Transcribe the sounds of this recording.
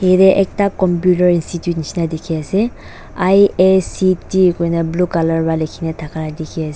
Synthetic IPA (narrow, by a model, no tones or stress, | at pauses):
ɦeɾɛʔɛk̚takɔmpjutɔɹinstitjutnisinadekʰiasɛ | ajesitikɔjnablukalaɹbalekʰinatʰakʰanadekʰiasɛ